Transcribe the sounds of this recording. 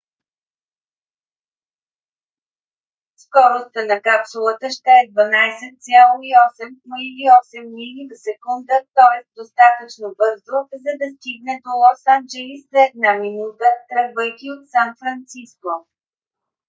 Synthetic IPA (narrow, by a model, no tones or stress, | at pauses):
skɔɾost̪ənɐkapsulˠət̪əʃt̪ɛɛd̪vɐnajsɛt̪̚sʲalˠoiɔsɛmnoiliɔsɛmːilivəsɛkund̪ət̪ɔɛsd̪ost̪at̪ət͡ʃnovɤzd̪ɾʊfzɐd̪ɐst̪iɡnɛd̪olˠɔsand͡ʒɛlislɛːd̪naminut̪ət̪ɾəbɤjk̪ʲiot̪sanfɾɐnt̪sisko